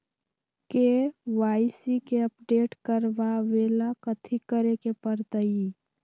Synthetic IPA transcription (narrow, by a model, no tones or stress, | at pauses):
keʋaːɪsikeəpɖeːʈkəɾʋaʋeːlakət̪ʰikəɾekepəɾt̪əi